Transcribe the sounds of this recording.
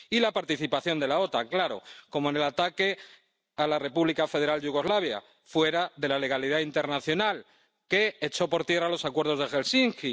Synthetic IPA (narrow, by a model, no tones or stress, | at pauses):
ilapaɾt̪iθipaθjo̞nd̪e̞lao̞t̪aŋklaɾo̞̰ko̞moene̞lat̪ake̞ | alare̞puβlikafe̞ð̞eɾalduɣ̞o̞zlaβ̞ja̰ | fwe̞ɾaðe̞lale̞ɣ̞aliðaint̪eɾnaθjo̞nal | ke̞ːt͡ʃo̞po̞ɾt̪je̞ralo̞sakwe̞ɾðo̞zðe̞xe̞lsiŋki